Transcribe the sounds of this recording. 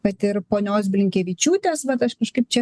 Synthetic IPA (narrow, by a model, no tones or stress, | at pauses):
kɐt̪ɪɾpoːnʲoːs̬bʲlʲɪŋʲkʲeːʋʲɪt͡ʃʲuːt̪ʲeːsʋɐt̪ɐʃkɐʃkɐɪp̚t͡ʃʲɛ